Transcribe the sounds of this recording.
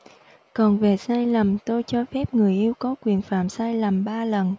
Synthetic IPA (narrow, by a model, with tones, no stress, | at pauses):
kɔ˨˩nve˨˩saː˧jlə˨˩mt̪o˧jt͡ɕɔ˧fɛ˦˥p̚ŋɨ˨˩əjʔi˧əwkɔ˨˦kwi˨˩ənfa̰ː˧˨msaː˧jlə˨˩mɓaː˧lə˨˩n